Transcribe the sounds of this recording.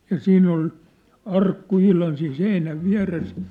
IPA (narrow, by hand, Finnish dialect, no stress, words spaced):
jɑ siːnː ol ɑrkːu ihlɑn siːn seinæʋ ʋiæ̝res